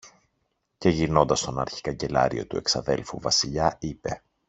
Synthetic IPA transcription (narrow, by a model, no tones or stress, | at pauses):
ce̞ʝino̞nd̪ɐst̪o̞nɐɾçi̥kɐɲɟe̞lɐ̰ɾio̞̰t̪ue̞ksɐðe̞̰lfuvɐsiʎɐipe̞